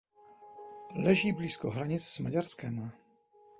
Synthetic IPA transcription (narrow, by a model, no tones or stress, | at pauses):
lɛʒiːbliːskoɦɾaɲɪt͡ssmaɟaɾskɛm